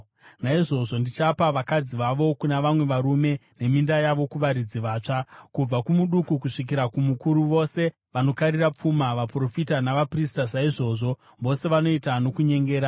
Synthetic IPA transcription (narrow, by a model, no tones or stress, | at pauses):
naiʐo̞ʐo̞ndit͡ʃapaʋakad͡ziʋaʋo̞kunaʋamwe̞ʋaɾume̞ne̞mindajaʋo̞kuʋaɾid͡ziʋaːt͡ʂakub͡vakumuɗukukuʂik̬iɾakumukuɾuʋo̞se̞ | ʋano̞kaɾirap͡fumaʋapro̞fitanaʋapristaʐaiʐo̞ːʐo̞ | ʋo̞se̞ʋano̞itano̞kuɲe̞ŋɡe̞ːɾa